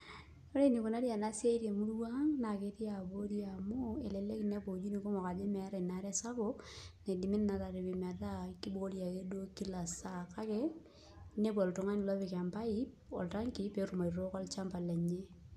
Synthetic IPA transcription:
o˦ɾe˦ni˨ko˨na˦ɾja˨na˦se˦i˦ɾe˨mu˦ɾwa˦ŋna˨ke˨˦ti˦a˨bo˦ɾja˨mo˦e˨le˨le˦ki˨ne˦bo˨d͡ʒi˦ni˨ko˦mɔ˨ka˨d͡ʒe˦mɛ˨˦ɾa˨na˨˦ɾɛ˦sa˦bo˦ne˨di˨mi˦nna˨ta˨ɾe˨bɪ˨ma˨ta˦ki˦bo˦ɾja˨ke˦do˦ki˦la˨sa˦˨ka˦ke˦ | ne˦ba˨ltʊ˨ŋa˦ni˨lɔ˦pe˨ka˨mpa˦i˦ | ɔ˨lta˦ŋki˨˦pe˦ɾu˨ma˨ɾo˦kɔ˦lt͡ʃa˦mpa˨lɛ˨ɲe˦

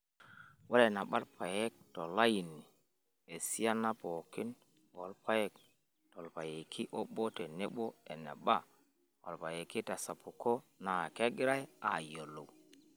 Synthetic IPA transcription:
wo˦le˨na˨ɓa˦ɾpʰa˨je˦k̚to˨la˦ji˨ni˨ | e˨si˦a˦na˦po˨ki˦n | wo˨˦lpʰa˦je˦k | to˨lpa˨je˨kʰi˦ʔo˦ɓo˦te˨ne˦ɓo˦ḛ˨nḛ˨ɓa˦ | wo̰˨lpa˨je˨ki˦ta˨sa˨pu˨ko˦na˨ke˦ɡi˦ɾa˦ja̰˨jo˨lo̰˨w

